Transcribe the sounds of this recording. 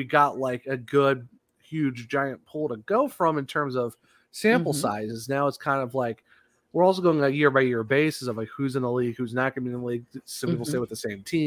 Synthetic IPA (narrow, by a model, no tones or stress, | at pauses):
wiɡɑʔˡlaɪkɨɡʊd̚ | hjʉd͡ʒd͡ʒaɪɨ̃npʰulˠɾəɡoʊfɹʌ̃mɨ̃ntʰɜ̃˞mzʌv̥ | sæ̃mpl̩ˠsaɪzɨznaʊətskʰãɪ̃ndʌvlaɪk | wəɹɔlˠs̬oʊɡoʊɪ̃ŋɨjɪɹbaɪjɪɹbeɪsɨsʌvlaɪkhʉzɨ̃nəliɡ̚hʉznət̚ɡ̥ʌ̃ñnəliɡ̚sʌ̃mpipl̩ˠseɪwəðɨsẽɪ̃mtʰĩ